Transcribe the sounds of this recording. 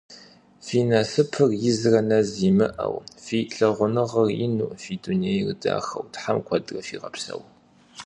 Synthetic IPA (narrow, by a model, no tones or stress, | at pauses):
fiːnɐsɨpʰɨrjɪzrɐnɐziːmɨʔɐ̰wfiːɬɐʁʷʊnɨʁɐrjɪ̰nuːʔfiːduniejrɨda̰ːxɐ̰wtħamkʷʰɐdrɐfiːʁɐpsɐ̰w